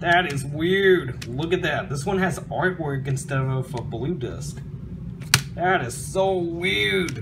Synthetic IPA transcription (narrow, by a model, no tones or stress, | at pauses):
ðɨɾɪzwɪɹdlʊkɨt̪̚ðɨt̪̚ðɪswʌ̃nɨzɑɹt̚wɜ˞ɡɨ̃nstɛɾʌʌvəblʉdɪ̰sk | ðɨɾɨz̥soʊwɪɹd̥̚